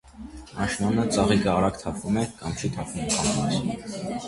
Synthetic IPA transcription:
ɑnʃmɑnət͡sɑʁikəɑɾɑkt̪ʰɑpʰumɛkɑmt͡ʃʰit̪ʰɑpʰvumkʰɑnʰunɛɾi

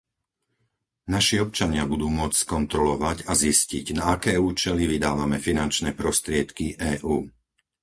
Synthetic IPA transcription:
naʃiɔp̚t͡ʃaɲɪabud̪uːmʊɔt͡sskɔnt̪ɾɔlɔʋaɟazisciɟnaakɛːuːt͡ʃɛliʋid̪aːʋamɛfinant͡ʃnɛːpɾɔst̪ɾɪɛt̪kiʔɛːʔuː

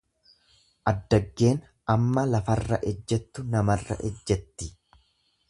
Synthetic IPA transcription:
ʔɐd̪ːɐɡːe̞ːn | ɐmːɐlɐfɐrːɐ̰ʔɛd͡ʒːɛt̪ːʊnɐmɐrːɐ̰ʔɛ̰d͡ʒːɛt̪ːɪ

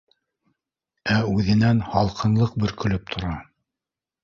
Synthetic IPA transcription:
æʉðɘ̆nænhɑlˠqʰɤ̆nlˠɤq̚bɵ̆ɾkɵ̆lɵp̚t̪ʰŏɾɑ

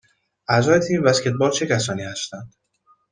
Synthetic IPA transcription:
ʔæzɒːjet̪ʰiːmvæscʰʲet̪̚bɒːɾt͡ʃʰe̞cʰæsɒːniːhæst̪ænd̪̥

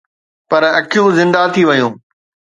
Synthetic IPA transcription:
pɐɾɐkʰijũzɪ̃nd̪at̪ʰiʋɐjũː

